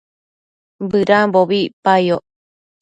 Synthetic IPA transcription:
bɨɾamboβipajoʔ

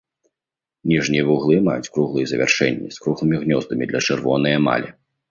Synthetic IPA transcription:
nʲiʐnʲijɛvuɣlˠɨmajut͡sʲkɾuɣlˠɨjzɐvʲa̰rʂɛ̰nʲːḭskɾuɣlˠɨmʲiɣnʲɔzd̪ɐmʲid̪lʲɐt͡ʂɨrvɔnɨjɐma̰lʲɛ

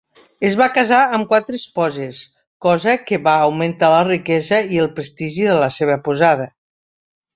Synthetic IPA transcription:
əzβakəzaəmkwat̪ɾespɔzes | kɔzəkəβaːwment̪alərikɛzəiəlˠpɾest̪iʒiðələseβ̞əpuzað̞ə

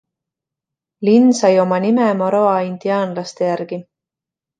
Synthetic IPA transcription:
linːsɑjo̞mɑnimemoɾoɑind̪̥iɑːnlɑst̪e̞jæɾɡ̥i

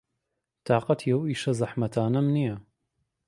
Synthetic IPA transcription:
t̪ɑːqɑt̪ʰijɐwiːʃɐzˤɑħmɐt̪ʰaːnɐmnijɐ

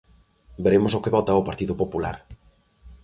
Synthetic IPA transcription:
beɾemosokeβɔt̪aopaɾt̪iðʊpopula̰ɾ

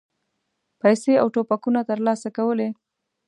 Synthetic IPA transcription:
pajseawʈopakunat̪əɾlɑsakawəle

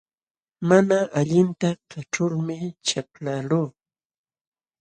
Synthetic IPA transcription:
manaʔaʎɪnt̪akaʈ͡ʂʊɾmɪt͡ʃaplaluː

